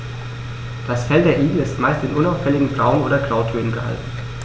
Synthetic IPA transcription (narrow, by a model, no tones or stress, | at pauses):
d̥asfɛltd̥eːɐʔiːɡl̩ɪstmaɪstɪnʔʊnaʊfɛlɪɡŋ̩bʁaʊənʔoːɾɐɡʁ̥aʊtʰøːnənɡəha̰ltn̩